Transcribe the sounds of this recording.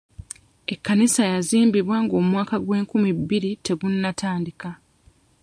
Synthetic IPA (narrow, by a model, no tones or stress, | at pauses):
e̞kːanisajaziːmbiβwaːŋɡoːmwaːkaɡwe̞ːŋkumibːiɾite̞ɡunːatʰaːndika